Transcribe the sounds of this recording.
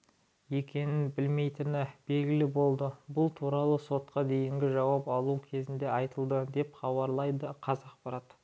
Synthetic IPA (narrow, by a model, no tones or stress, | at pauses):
je̞kʲe̞nɪnbɪlme̞jt̪ɪnɪb̥e̞lɡʲɪlɪbo̞lˠd̪əbʊlˠt̪ʰuɾɑlˠəso̞t̪qɑd̪e̞jɪŋɡʲɪʒɑwɑpɑlˠukʲʰe̞zɪnd̪e̞ɑjt̪əlˠd̪əd̪e̞pχɑβɑɾlˠɑjd̪əqʰɑzɑq̚pɑɾɑt̪